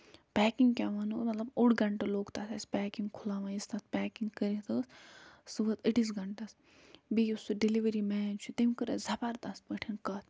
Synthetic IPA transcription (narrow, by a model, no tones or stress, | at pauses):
pʲɛːkiŋɡkʲaʋɐːnumɐt̪lɐbuɽɡɐɳʈɐloːkt̪asɐsʲpɛːkiŋɡkʰulaːʋãːist̪ɐt̪̚pɛːkiŋɡkəɾit̪əːssɨʋɐt̪əʈisɡɐɳʈɐs | bijusuɖiliʋɐɾimɛːnt͡ʃʰut̪imkɨɾɐzɐpaɾt̪ɐs̚bɐʈʰinkɐt̪̚ʰ